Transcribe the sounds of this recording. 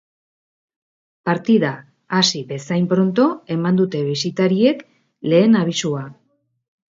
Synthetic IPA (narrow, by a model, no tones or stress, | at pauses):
paɾt̪iðaː | siβe̞sajmpɾo̞nt̪o̞e̞mand̪ut̪e̞βisit̪aɾie̞k | le̞ːnaβ̞isua